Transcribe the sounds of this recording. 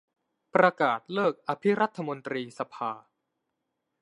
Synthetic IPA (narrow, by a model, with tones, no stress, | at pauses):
pɾa˧kaː˨˩t̪̚lɤː˥˩k̚ʔa˧pʰi˦˥ɾa˦˥t̪ʰːa˧mo˧nt̪ɾiː˧sa˧pʰaː˧